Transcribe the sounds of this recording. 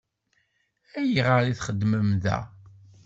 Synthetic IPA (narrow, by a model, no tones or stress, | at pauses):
æjiʁəɾiθχəd̪ːməmðæ̰